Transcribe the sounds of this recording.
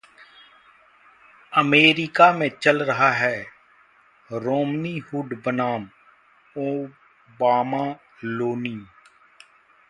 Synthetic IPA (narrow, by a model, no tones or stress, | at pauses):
əmeːɾɪkaːmẽːt͡ʃəlɾəɦaːɦɛː | ɾoːmniːhʊɖbənaːm | oː | baːmaː | loːniː